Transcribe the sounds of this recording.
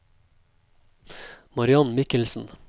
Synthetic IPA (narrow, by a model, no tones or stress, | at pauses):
mɑɾɪɑnmɪkəlsn̩